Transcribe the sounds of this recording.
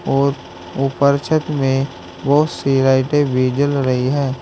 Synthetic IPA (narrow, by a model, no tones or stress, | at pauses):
ɔːɾ | ʊpəɾt͡ʃʰət̪mẽ | bəɦʊt̪siːɾaːɪʈebʱiːd͡ʒəlɾəɦiɦɛː